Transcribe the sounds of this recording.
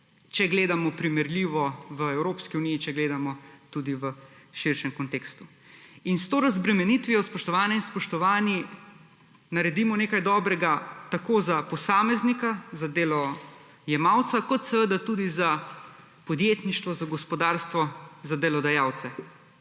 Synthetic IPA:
t͡ʃɛɡleːd̪amɔpɾimɛɾlʲiːʋɔʋəɛwɾoːpskiuniːt͡ʃɛɡleːd̪amɔt̪ud̪iʋəʃiɾʃɛmkɔnt̪ekst̪u | inst̪oːɾɐzbɾɛmɛnit̪ʋijɔspɔʃt̪ɔʋaːnɛinspɔʃt̪ɔʋaːni | naɾɛd̪imɔneːkajd̪ɔːbɾɛɡat̪akoːzapɔsaːmɛznikazad̪elɔ | jɛmaːwt̪sakɔt̪sɛʋəd̪at̪ud̪iza | pɔd̪jeːt̪niʃt̪ʋɔzaɡɔspɔd̪aːɾst̪ʋɔzad̪ɛlɔd̪ajaːw̪sɛ

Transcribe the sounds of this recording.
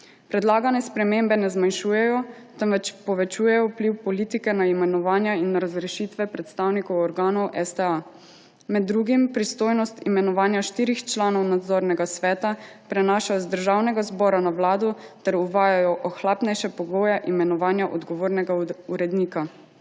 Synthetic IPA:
pɾɛd̪laːɡanɛspɾɛmembɛnɛzmanʃuːjɛjɔt̪ɛmʋɛt͡ʃpɔʋɛt͡ʃuːjɛjɔpliwpɔliːt̪ikɛnaimɛnɔʋaːnjainːɾazɾɛʃiːt̪ʋɛpɾɛt̪st̪aːwnikɔwɔɾɡaːnɔwʔɛst̪ɛa | mɛd̪ːɾuːɡimpɾist̪oːjnɔst̪imɛnɔʋaːnjaʃt̪iːɾixt͡ʃlaːnɔwnad̪zoːɾnɛɡasʋɛːt̪apɾɛnaːʃajɔzd̪əɾʒaːwnɛɡazbɔːɾanawlaːd̪ɔt̪ɛɾuʋaːjajɔʔɔxlaːpnɛjʃɛpɔɡoːjɛʔimɛnɔʋaːnjaʔɔd̪ɡɔʋoːɾnɛɡauɾɛd̪niːka

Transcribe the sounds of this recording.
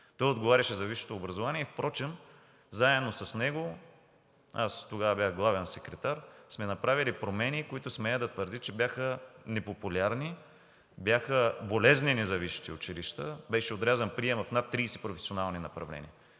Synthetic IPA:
t̪ɔjod̪ɡovaɾʲɐʃɛzɐviʃo̥t̪oːbɾɐzovaniɛfpɾɔt͡ʃɛm | zaɛdnosɐsnɛɡo | ast̪oɡavɐbʲjaxɡlˠavɛnsɛkɾɛt̪aɾsmɛnɐpɾavilipɾomɛnikoit̪ʊsmɛjəd̪ɐt̪vəɾd̪it͡ʃɛbjaxənɛpopulʲaɾni | bjaxəbolɛzninɛzɐviʃi̥t̪iʊt͡ʃiliʃt̪əbɛʃɛod̪ɾʲazɛnpɾiɛmɐfnat̪ːɾiːsi̥pɾofɛ̥sionalˠninɐpɾɐvlɛ̰niə

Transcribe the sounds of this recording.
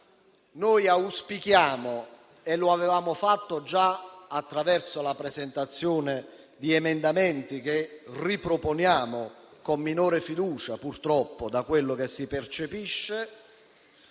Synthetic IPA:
nojauspikjaːmo | eloavevaːmofat̪ːod͡ʒaːt̪ːɾavɛrsolapɾɛzɛnt̪at̪sːjɔːne | d̪iɛmɛnd̪amɛnt̪ik̟eripɾoponjaːmo | komːinɔːɾɪfid̪uːt͡ʃapurt̪ɾɔpːod̪akwelːok̟esːipert͡ʃepiʃːe

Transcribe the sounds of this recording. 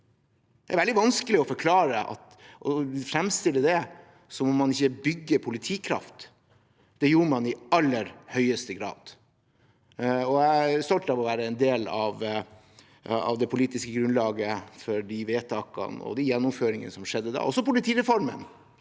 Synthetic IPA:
d̪ɛæɾʋɛld̪ɪʋɑnskəlɪɔfɔɾkʰlɑːɾəɑ̰t̪ | ʔɔfɾɛmst̪ɪlːəd̪ɛ | sɔmɔmɑnɪçːəbʏɡːəpʰʊlɪt̪ʰiːkʰɾɑ̰ft̪ | d̪̥ɛjuːɾmɑnɪɑlːəɾhœʏəst̪əɡɾɑ̰ːd̪̥ | ɔæst̪ɔlʈ̪əɑʋɔʋæːɾəɛnd̪eːlɑʋ | ɑ̰ʋd̪ɛpʰʊliːt̪ɪskəɡɾʉnlɑːɡəfɔɾɖiʋeːt̪ʰɑːkɑ̰nɔ̰d̪ɛjɛnːʊmføːɾɪŋə̰nəsɔmʂɛd̪ːəd̪æ̰ɾɔsːɔpʊlɪt̪ʰiːɾɛfɔɾmə̰n

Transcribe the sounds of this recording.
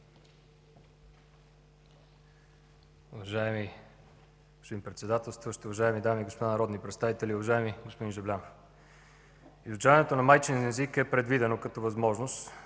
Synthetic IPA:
ʊvɐʒaɛmi | ɡospod̪inpɾɛt̪sɛd̪at̪ɛlˠst̪voʃt̪ʊvɐʒaɛmid̪amiɡospod̪anɐɾɔd̪nipɾɛt̪st̪avit̪ɛlʲiʊvɐʒaɛmiɡospod̪inʒɛvlʲam | izʊt͡ʃavɐnɛt̪onɐmajt͡ʃinnɛzikɛpɾɛd̪vid̪ɛnokɐt̪ɔvɐzmɔʒnost̪

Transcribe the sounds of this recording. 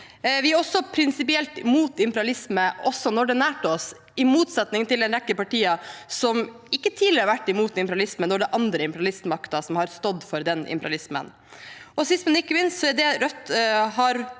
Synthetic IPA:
ʋɪæɾɔsːɔpʰɾɪnsɪpɪɛlt̪muːt̪ɪmpəɾɑlɪsməʔɔsːɔnɔɖɛnæːʈəɔs | ɪmuːt̪sɑt̪nɪŋt̪ɪld̪ɛnɾɛkːəpɑʈiːɑsɔm | ɪkːət̪ʰiːləɾəʋæʈːɪmuːt̪ɪmpəɾɑlɪsmənɔɖɛʔɑnd̪ɾəɪmpəɾɑlɪst̪mɑkt̪ɑsɔmhɑɾst̪ɔd̪fɔɾd̪ɛnɪ̰mpəɾɑ̰lɪsmə̰n | ɔsɪst̪mɛɪkːəmɪnst̪sɔæd̪ɛɾœt̪ːɦɑɾ

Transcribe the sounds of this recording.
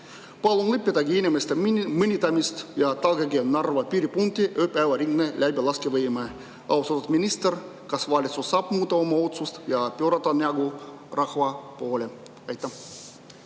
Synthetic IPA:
pɑlˠonlepːet̪ɑɡiːnʲemest̪emɨnʲit̪ɑmist̪jɑt̪ɑlɡeɡienɑrʋɑpyɾʲipunt̪ːiʔøpæʋɑriŋɡnelʲæbelɑskeʋəjmɑ | ɑ̰wst̪ɑt̪ut̪minʲist̪erkɑsʋɑːlʲit̪susɑpmuːt̪ːɑomɑot̪sust̪jɑpøɾɑt̪ɑneɑɡu | rɑxʋɑpuolʲe | ɑjt̪ːɑ

